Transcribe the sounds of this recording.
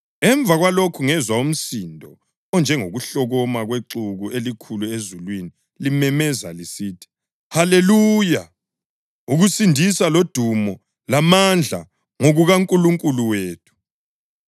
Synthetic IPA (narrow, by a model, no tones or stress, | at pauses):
ɛɱb̪vʱaɣwalokʰuŋɛzwaum̩sindʱɔ | ɔnd͡ʒʱɛŋoɣuɬɔɣɔmaɣweǁuɣuʔelikʰuluezulwini | limɛmɛza̰lisitʰi̥ | haleluːja | uɣusindʱisalod̥ʱumɔ | lamand͡ɮʱa̰ | ŋoɣuɣaŋkʼuluŋkʼuluweːtʰu̥